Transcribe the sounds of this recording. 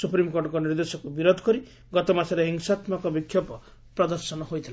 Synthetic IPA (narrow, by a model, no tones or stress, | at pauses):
supɾimkoɖɔkɔniɾd̪esɔkubiɾod̪ʱɔ̥kɔɾi | ɡɔt̪ɔmasaɾeɦiŋsat̪makɔbikʰːjɔpɔ | pɾɔd̪ɔɾsɔnɔɦojt̪ʰila